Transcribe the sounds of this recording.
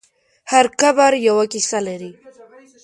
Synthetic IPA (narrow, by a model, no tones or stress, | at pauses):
haɾkabaɾjawakisalaɾi